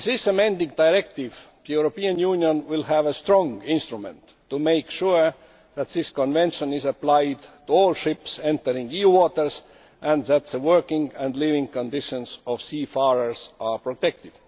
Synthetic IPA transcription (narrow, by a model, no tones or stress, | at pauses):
ðɪsəmẽnd̪ɪ̃ŋd̪aɪɹɛk̚t̪ɪv | juɹopiːə̃njunjõnwɪlhævəst̪ɹɔ̃ŋɪ̃nst̪ɹumɛ̰̃ntːumeɪkʃuɹ | ðæt̪ðɪskõnvẽnʃə̃nɪzəplaɪd̪tuolʃɪpsẽnt̪əɹɪ̃ŋiuwɔt̪ə˞s | ʔæ̃nd̪ðæt̪ðəwɜ˞kɪ̃ŋæ̃nd̪livɪ̃ŋkõnd̪ɪʃə̃nsɔvsiːfɑɹə˞sʔɑpɹot̪ɛk̚t̪ɪv̥